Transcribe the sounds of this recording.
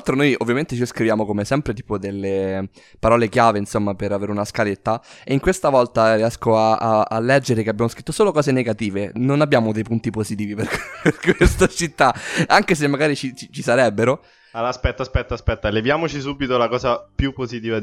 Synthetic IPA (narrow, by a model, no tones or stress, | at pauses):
lt̪ɾonojo̰vːjament̪et͡ʃiskɾivjaːmokomesɛmpɾet̪iːpod̪elːe | paɾɔːlek̟jaːveinsomːapeɾaveːɾeunaskalet̪ːaeiŋkwest̪avɔlt̪ariɛskoaaa̰lːɛd͡ʒːeɾekeabjamoskɾit̪ːosoːlokɔːzeneɡat̪iːvenonabːjaːmod̪ejpunt̪ipozit̪iːviperperkwest̪at͡ʃit̪ːaaŋkes̬emːaɡaːɾit͡ʃit͡ʃit͡ʃisaɾɛbːeɾo | alaspɛt̪ːaspɛt̪ːaspɛt̪ːalevjaːmot͡ʃisubːit̪olakɔːzapjupːozit̪iːva